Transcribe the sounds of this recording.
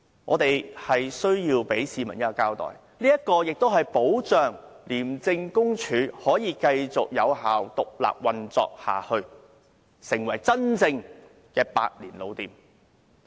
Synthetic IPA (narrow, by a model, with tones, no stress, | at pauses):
ŋɔː˨˧t̪e˨jhɐ˨jsɵ˥ɥjiː˧wpe˨˥jsiː˨˧mɐ˨˩njɐ˥kːɔ˨˧kaː˧wt̪ɔ̰ː˨j | liː˥jɐ˥t̚kɔː˧jɪ˨k̚t̪o˥wɦɐ˨jpo˨˥wt͡ʃœː˨˩ŋliː˨˩mt͡sɪ˧ŋkʊ˥ŋt͡ʃʰyː˨˥hɔː˨˥jiː˨˧kɐ˧jt͡sʊ˨k̚jɐ˨˧whaː˨wt̪ʊ˨k̚la̰ː˨p̚wɐ˨nt͡sɔ̰ː˧k̚ha̰ː˨hɵ˧ɥ | sɪ˨˩ŋwɐ˨˩jt͡sɐ˥nt͡sɪ˧ŋ | kɛː˧pa̰ː˧t̚liː˨˩nlo̰˨˧wt̪iː˨˩m